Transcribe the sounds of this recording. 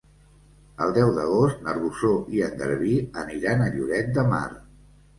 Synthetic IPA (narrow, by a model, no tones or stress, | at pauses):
əlˠd̪ɛwðəɣ̞ost̪nəɾβusoʔiənd̪ə̰ɾβiəniɾanəʎuɾɛt̪̚d̪əma̰r